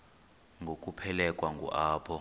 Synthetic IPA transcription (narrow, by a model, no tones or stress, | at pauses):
ŋɡʱok̬ʼupʰɛlɛkʼwaŋɡʱṵʔaːpʰɔ